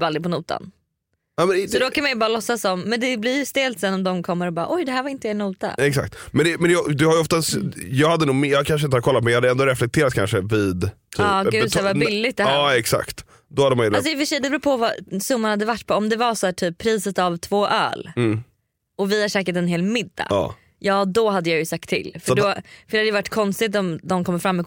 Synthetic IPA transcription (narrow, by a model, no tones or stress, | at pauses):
ald̪ɾɪpʰɔnuːt̪ʰa̰n | namɛnɪsɔd̪ɔkʰanmajəbɑːɾalɔsːasɔmːɛnd̪ɛblɪɾjɵst̪eːlt̪sɛnɔmd̪ɔmkʰɔmːəɾɔbɑːɾ̰aʔɔjd̪ɛɦæːɾvaɾɪnt̪əɛnuːt̪a̰ɛksa̰k̚t̪mɛnɛmɛnjɑd̪ɵhajʏɔft̪asjɑːɡhad̪ːənuːɡmjɑːɡkʰanʂ̬ɪnt̪əhaɾ̚kʰɔlːat̪mɛnjɑːhad̪əɛnd̪oːɾɛflɛk̚t̪ʰeːɾat̪̚kʰa̰nʂəvɪd̪t̪ʰyɑːɡʉːɛd̪ʰvabɪlːɪt̪̚d̪ɛːɛksa̰kt̪ | d̪ɔhad̪ːmajas̬ɔɪfəʂɛjd̪ɛbɾuːpʰɔvasɵmːanhad̪ːəvaʈːpʰɔɔmd̪ɛvasɔæːʈʰyːpʰːɾiːsət̪avt̪ʰvoːʔœ̰ːlː | ɔvɪhaʂɛːkət̪ɛnɦeːlmɪd̪ːa̰ɑ̰ː | jɑːd̪ɔɦad̪ːəjaːjɵsak̚t̪ʰːɪ̰lːfœɾɖ̪ɔfœɾɛhad̪əjəvaʈːkʰɔnst̪ɪt̪̬ɔmd̪ɔmkʰɔmːəɾfɾamːɛ